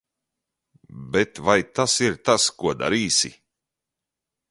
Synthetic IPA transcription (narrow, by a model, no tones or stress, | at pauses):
bɛt̪vajt̪asiɾt̪askuɔd̪a̰ɾiːsḭ